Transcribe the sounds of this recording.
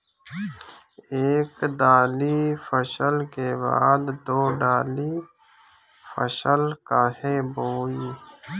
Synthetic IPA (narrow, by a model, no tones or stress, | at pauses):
eːkd̪aːlifəʃəlkeːba̰ːd̪d̪oːɖaːli | fə̰səlkaːɦeboːi